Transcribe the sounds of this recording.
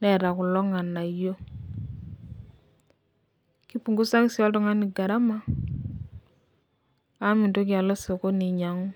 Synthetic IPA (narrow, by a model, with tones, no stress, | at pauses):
nɛ˨ɾa˨ku˨lɔ˦ŋa˨na˨jo˦ | ki˦pu˨ŋɡu˦sa˦ŋ˦si˨ɔ˦lto˦ŋa˦ni˨ɡa˨ɾa˦ma˦ | a˦mi˨nto˦kja˨lo˦so˨ko˦ni˨ɲa˨ŋu˦